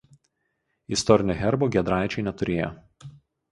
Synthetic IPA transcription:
ɪst̪ɔɾʲɪnʲoːxʲɛɾboːɡʲiɛd̪ɾɑˑɪt͡ʃʲɛɪnʲɛt̪ʊɾʲeːjo̰

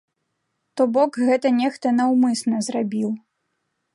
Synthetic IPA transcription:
t̪ɔbɔkɣɛt̪ɐnʲɛxt̪ɐnɐwmɨsnɐzɾabʲiw

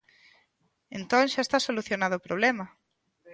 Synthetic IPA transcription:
ent̪õŋʃaest̪asoluθjonaðoːpɾoβlɛmɐ

